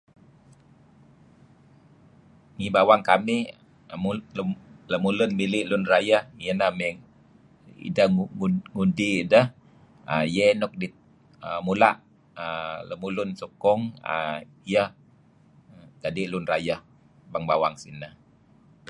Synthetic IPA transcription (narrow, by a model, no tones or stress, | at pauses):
ŋibawaŋkami | ləmulʊnmilɪʔlʊnrajahŋiənamɛŋ | ḭdəŋudidəh | əjɛnɔk̚dit̪̚ | əmulaʔ | ələmulʊnsokɔŋə̰ | jah | ɡadeʔlunrajah | baŋbawaŋsḭnah